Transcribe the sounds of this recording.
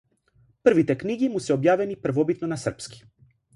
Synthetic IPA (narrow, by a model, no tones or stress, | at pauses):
pr̩vit̪ɛkniɡimusɛɔbjavɛnipr̩vɔbit̪nɔnasr̩pski̥